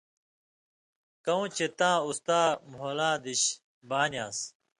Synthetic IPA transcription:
kɐũːt͡ɕet̪ãːust̪aːmɦoːlãːd̪iɕ | baːnjaːs

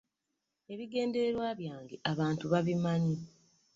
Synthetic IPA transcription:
e̞βiɡe̞ːnde̞ɾeɾwaːβjaːŋɡe̞ʔaβaːntuβaβimaɲi

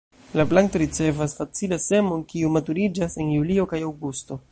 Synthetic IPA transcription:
laplaŋto̞ɾit͡se̞vasfat͡silase̞mo̞nkiumatuɾid͡ʒase̞njulio̞kajawɡusto̞

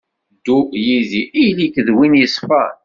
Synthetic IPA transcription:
d̪ujiziijlikəðwinjəsˤfɑ

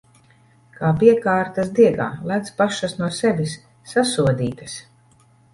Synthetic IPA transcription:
kaːpiɛkaːɾt̪as̬d̪iɛɡa̰ːlæt̪spaʃasnuɔsɛvʲisː | asuɔd̪iːt̪ɐs

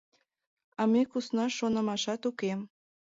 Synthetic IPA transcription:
ɑmekusnɑʃonə̆mɑʃɑt̪ukem

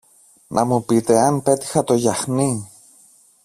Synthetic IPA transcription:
nʔɐmupit̪e̞ɐnpe̞t̪i̥xɐt̪o̞ʝɐxni

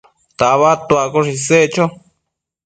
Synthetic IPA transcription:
t̪aβat̪uakoʂiset͡ʃo

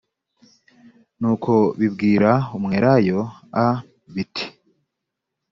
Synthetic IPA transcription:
nuːkʰo̞βibɡiːɾaumŋeːɾajo̞a | βitʰi̥

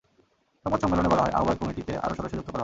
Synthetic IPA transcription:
ʃɔmat͡ɕɔmelonebɔlaɦɔeʔa̰obajkɔmiʈit̪eʔa̰ɾoʃɔd̪oʃːod͡ʑukt̪opaɾaɦ

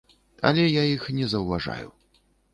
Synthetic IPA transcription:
ɐ̰lʲɛjaixnʲɛzɐwvaʐa̰jṵ

